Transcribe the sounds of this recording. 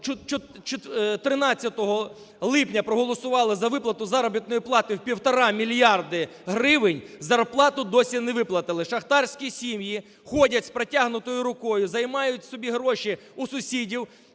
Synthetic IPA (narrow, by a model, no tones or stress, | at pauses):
t͡ʃt͡ʃɔt͡ʃt̪t̪ɾɪnɑt͡sʲːɐt̪ɔɦɔ | lˠɪpnʲɐpɾɔɦɔlˠɔsʊʋɑlˠɪzɐʋɪplˠɐt̪ʊzɑɾɔbʲit̪nɔjiplˠɑt̪ɪwpʲiwt̪ɔɾɑmʲilʲjɑrd̪ɪ | ɦɾɪʋɪnʲzɐrplˠɑt̪ʊd̪ɔsʲinɛʋɪplˠɐt̪ɪlˠɪʃɐxt̪ɑrsʲkʲisʲimji | xɔdʲɐtʲspɾetʲaɦnʊt̪ɔjʊɾʊkɔjʊzɐjmɑjʊtʲsɔbʲiɦɾɔʃi | usʊsʲidʲiw